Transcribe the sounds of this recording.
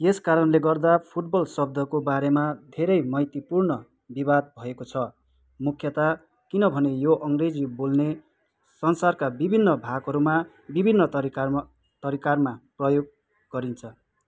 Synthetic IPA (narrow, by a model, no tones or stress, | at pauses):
eskaɾʌnleɡʌrd̪apʰuʈ̚bʌlsʌb̚d̪ʱʌkobaɾemad̪ʱeɾʌjmʌjt̪ipurnʌ | bibad̪̚bʱʌekot͡sʰʌ | mukʰjʌt̪a | kinʌbʱʌnejoʔʌŋred͡zibolne | sʌnsarkabibʱinːʌbʱaɡɦʌɾuma | bibʱinːʌ | t̪ʌɾikarmaprʌjoɡ̚ | ɡʌɾint͡sʰʌ